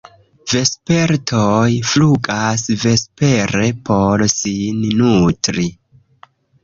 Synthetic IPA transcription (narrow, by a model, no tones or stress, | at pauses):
ve̞spe̞ɾtʰojfluɡasve̞spe̞ɾe̞pʰo̞ɾsinnutɾi